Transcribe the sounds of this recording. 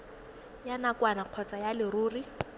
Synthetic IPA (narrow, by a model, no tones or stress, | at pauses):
janakwanaq͡χʰɔt͡sajalɪruːri